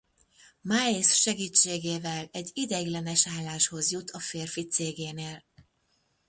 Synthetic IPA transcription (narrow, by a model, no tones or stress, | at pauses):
maːesʃɛɡiːt͡ʃːeːɡeːvɛlɛɟːid̪ɛɡlɛnɛʃaːlːaːʃho̞zjut̪ʰɒfeːrfit̪seːɡeːneːl